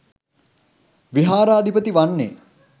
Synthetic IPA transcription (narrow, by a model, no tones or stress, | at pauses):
ʋiɦaːɾaːd̪ʱipət̪iʋanːe